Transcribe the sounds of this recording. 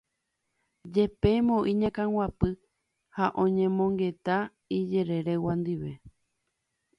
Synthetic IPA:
d͡ʒe̞pe̞mõʔĩɲãkãwapɨ | haʔõ̞ɲẽ̞mõ̞ŋɡe̞t̪a | id͡ʒeɾe̞ɾewãnd̪iʋe̞

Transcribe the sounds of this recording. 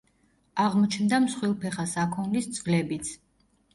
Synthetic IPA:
aʁmɔt͡ʃʰnd̪amsχwilˠpʰɛχasakʰɔnlisd̪sʼɡlɛbit̪sʰ

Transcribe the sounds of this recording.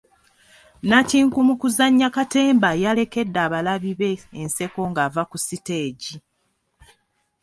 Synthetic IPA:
naciːŋkumukuzaɲːakate̞ːmbajale̞ke̞dːaːβalaβiβe̞ːnse̞ko̞ŋɡavakusite̞ːɟi

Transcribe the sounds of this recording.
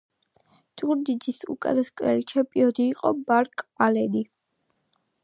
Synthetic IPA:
d̪̥uɾd̪id̪zisṵkʼa̰d̪askʼɾɛlit͡ʃʰɛmpʼiɔd̪iːqʼɔbaɾkʼalɛd̪i

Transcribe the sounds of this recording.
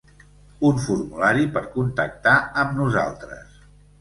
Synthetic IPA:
unfuɾmulaɾipəɾkunt̪ək̚t̪aəmnuza̰lˠt̪ɾə̰s

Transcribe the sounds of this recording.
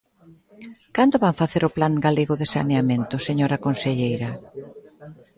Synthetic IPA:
kant̪ʊβaŋfaθeɾʊplaŋɡaleɣʊðesa̰neamẽnt̪ʊseɲoɾakonseʎejɾɐ

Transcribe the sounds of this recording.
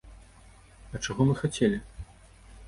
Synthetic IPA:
ɐt͡ʂaɣɔmɨxat͡sʲelʲi

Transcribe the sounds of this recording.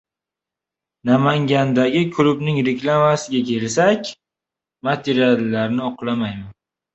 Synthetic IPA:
namaŋɡʲand̪aɡʲɪkʰʊlʊbnɪŋɾekʲlˠamasɪɡʲakʲʰe̞lsakʲ | mat̪ʰeɾialːaɾnɪɒqlˠamajman

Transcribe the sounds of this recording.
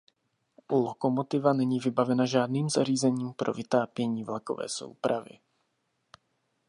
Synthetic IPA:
ʔulokomot̪ɪvanɛɲiːvɪbavɛnaʒaːdniːmzariːzɛɲiːmpɾʔo̞̰vɪt̪aːpjɛɲiːvlako̞̰vɛ̰ːso̰wpɾavɪ̰

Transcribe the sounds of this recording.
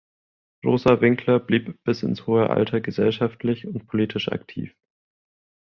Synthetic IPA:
ʁoːzavɪŋkʰlɐbliːpb̥ɪsɪ̰nshoːəʔa̰ltʰɐɡəzɛlʃaftʰlɪçʊntpʰoliːtʰɪʃa̰ktʰḭːf

